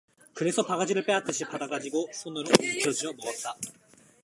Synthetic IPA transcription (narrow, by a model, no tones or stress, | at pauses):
kɯɾe̞sʰʌpaɡad͡ʑiɾɯɭp͈e̞at͈ɯɕʰipadaɡad͡ʑiɡosʰonɯɾoikʰjʌd͡ʑiʌmʌɡʌt̚t͈a